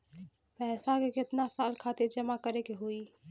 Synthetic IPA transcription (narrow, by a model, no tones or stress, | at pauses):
pɛɦːsakekɪt̪nasalkʰat̪iɾd͡ʒəmakəɾekeɦoi